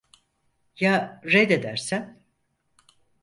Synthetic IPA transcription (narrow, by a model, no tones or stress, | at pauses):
jaɾed̪ed̪æɾsæn